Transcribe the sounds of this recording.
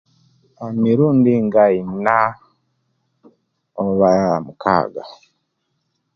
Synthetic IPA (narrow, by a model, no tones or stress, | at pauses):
amiɾuːndiŋɡaina | oβaamukʰa̰ːɡa